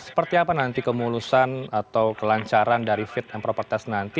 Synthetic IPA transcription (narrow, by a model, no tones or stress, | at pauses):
sə̥pərt̪iapanant̪ikəmulusanat̪awkəlaɲt͡ʃaɾandaɾifɪt̪̚janpɾopərt̪ɛsnant̪i